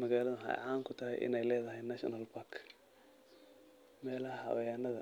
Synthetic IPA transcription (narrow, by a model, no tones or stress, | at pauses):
mɐɣaːlɐðʊɦɐ̰jʕaːŋkʰʊt̪ʰɐɦɛ̰jʔɪ̰nɛjlɛːðɐɦɛjnɐʃɐ̰nɐlpʰakʰ | mɛːlɐɦɐhɐ̰wɐjaːnɐðɐ